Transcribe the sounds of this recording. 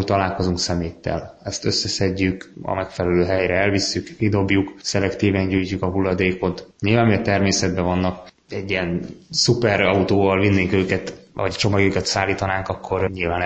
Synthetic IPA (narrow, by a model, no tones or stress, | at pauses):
t̪ɒlaːlko̞zuŋksɛmeːt̪ːɛ̰lɛst̪ø̞sːɛsɛɟːykɒ̰mɛkfɛlɛløːɦɛjɾɛɛlvisːykkid̪o̞bjuksɛlɛkt̪iːvɛɲɟuːjcukɒɦulːɒd̪eːko̞t̪ɲilvaːnmiɛt̪ɛrmeːsɛd̪̚bɛvɒnːɒk | ɛɟːiɛnsupɛɾɒut̪oːvɒlvinːeːŋkøːkɛt̪vɒ̰ɟt͡ʃo̞mɒɡøːkɛt̪saːlːiːt̪ɒnaːŋkɒkʰːo̞rɲilvaːn